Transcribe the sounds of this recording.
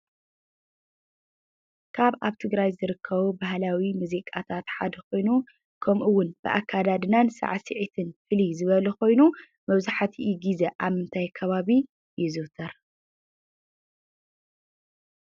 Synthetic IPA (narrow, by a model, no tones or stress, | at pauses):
kʰaβaβt̪ʰɨɡɾajzɨɾɨkʰːɐβubaɦlawimuzikʼat̪ʰat̪ħad̪ɐkʰo̞jnu | kʰɐmʔɨwːʊnb̥ɨ̰ʔa̰kʰːad̪ad̪ɨnansa̰ʕsɨʕit̪ʰɨnfɨlizɨβɐlɐko̞jnu | mɐβzaħat̪ʰiiɡizeʔaβmɨnt̪ʰajkʰɐβaβi | jɪzɨwt̪ʰɐɾ